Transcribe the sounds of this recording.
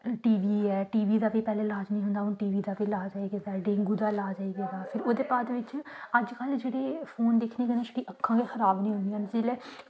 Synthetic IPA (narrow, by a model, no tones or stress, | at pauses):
ʈiːʋiːɛːʈiːʋiːd̪aːpeːpɛːleːlaːd͡ʒnĩːɦʊ̃nd̪aːʊnʈiːʋiːd̪aːpeːlaːd͡ʒaːiːɡeːd̪aːɖẽːŋɡuːd̪aːlaːd͡ʒaːiːɡeːd̪aːpʰɪɾoːd̪eːbaːd̪ʋɪt͡ʃəd͡ʒkəld͡ʒeːɽeːpʰoːnd̪eːkʰneːkənẽːʃʈiːʔəkʰːãːɡeːxəɾaːbnĩːɦʊ̃nd̪ijãːnsiːlɛː